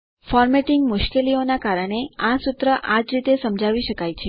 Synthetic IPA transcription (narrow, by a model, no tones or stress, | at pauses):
fɔɾmeʈɪŋɡmʊʃkelionakaɾəɳ̃easut̪ɾəʔad͡ʒɾit̪esəmd͡ʒʱaʋiʃəkajt͡ʃʰe